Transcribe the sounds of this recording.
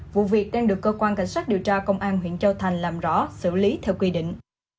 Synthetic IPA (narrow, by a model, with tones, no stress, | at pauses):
vṵ˧˨vi˨˩ək̚ɗaː˧ŋnɗɨ˨˩əkːəː˧kwaː˧nka̰˧˩jŋ̟saː˦˥k̚ɗi˨˩əwt͡ɕaː˧kə˧wŋ͡mʔaː˧nɦwḭ˧˨ənt͡ɕə˧wt̪ʰa˨˩jŋ̟laː˨˩mzɔ̰˧˥sɨ̰˧˩li˨˦t̪ʰɛː˧wkwi˧ɗḭ̈˧˨ŋ̟